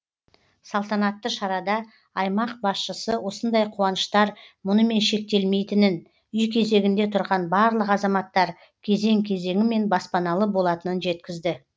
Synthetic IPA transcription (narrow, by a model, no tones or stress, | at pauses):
sɑlˠt̪ɑnɑt̪ːəʃɑɾɑd̪ɑ | ɑjmɑq̚bɑsʃəsəwo̞sənd̪ɑjqʰuwɑnəʃt̪ɑɾmʊnəme̞nʃe̞k̚t̪e̞lme̞jt̪ɪnɪn | ʏjkʲʰe̞ze̞ɡʲɪnd̪e̞t̪ʰʊɾʁɑnbɑɾlˠəqɑzɑmɑt̪ːɑɾ | kʲʰe̞ze̞ŋkʲʰe̞ze̞ŋʲɪme̞nbɑspɑnɑlˠəbo̞lˠɑt̪ənənʒe̞t̪kʲɪzd̪ɪ